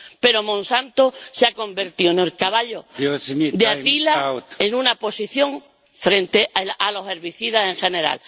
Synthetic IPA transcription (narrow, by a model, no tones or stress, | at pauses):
pe̞ɾo̞mõnsant̪oseako̞mbe̞ɾt̪ioenelkaβaʎosd̪eat̪ilaenũnapo̞siθjõ̞ŋ | fɾẽ̞nt̪e̞ʔʔalo̞ɦe̞ɾβiθiðase̞ŋxe̞ne̞ɾa̰l